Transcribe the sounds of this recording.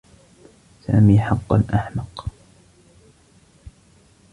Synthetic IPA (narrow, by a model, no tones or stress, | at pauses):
sa̰ːmiːħɑqːɑ̰nʔaħmɑq